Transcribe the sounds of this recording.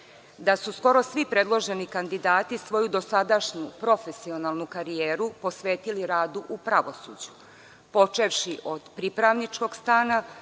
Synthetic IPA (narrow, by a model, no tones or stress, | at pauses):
d̪asusko̞ɾo̞sʋipɾe̞d̪lˠo̞ʒe̞nikand̪id̪aːt̪isʋo̞jud̪o̞sad̪aʃɲupɾo̞fe̞sio̞nalˠnukaɾijeːɾupo̞sʋe̞ːt̪iliɾaːd̪uʔupɾaʋo̞sṵːd͡ʑu̥ | po̞t͡ʃe̞ʋʃiʔo̞d̪̥pɾipɾaʋnit͡ʃko̞ɡst̪aːna